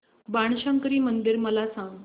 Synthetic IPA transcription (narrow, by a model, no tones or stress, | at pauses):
baɳ̃ɕə̃ŋkɾiːmənd̪iɾməlasãŋɡ